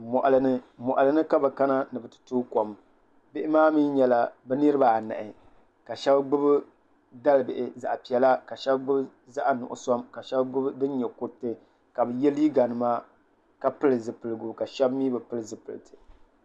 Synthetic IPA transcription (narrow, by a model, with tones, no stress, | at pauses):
mɔ˨ʔa˨lɨ˨nɨ˦mɔ˨ʔa˨lɨ˨nɨ˦ka˦bɨ˨ka˦na˦nɨ˨bɨ˨tɨ̥˨tuː˦ko˨m | bɪ˦ʔɪ˦maː˦mi˦ɲɛ˨la˨bɛ˦nɨ˦ɾɨ˦ba˨a˨na̰˨ʔɪ˨ | ka˨ʃɛ˦bɡ͡bʊ˦b | da˦lbɪ˨ʔɪ˨za̰˨ʔpi˨ɛ˨la˦ka˨ʃɛ˦bɡ͡bʊ˦b | za˦ʔa˨nʊ̰˨ʔʊ̰˨sɔ˦mka˨ʃɛ˦bɡ͡bʊ˦bdɨ˦n˦ɲɛ˨ku˦tɨ˨ | ka˨bɨ˨jɛ˦liː˦ɡa˨nɨ˨ma˦ | ka˦pɨ˦lɨ˨zɨ˨pɨ˨lɨ˨ɡʊ˨bka˨ʃɛ˦bmiː˦bɨ˨pɨ˦lɨ˨zɨ˨pɨ˨lɨ˨tɨ̥˨